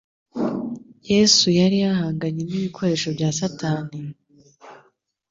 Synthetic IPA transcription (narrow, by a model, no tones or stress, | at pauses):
je̞ːsujaɾijahaːŋɡaɲeniβikʰo̞ɾe̞ːʃo̞bɟaːsataːni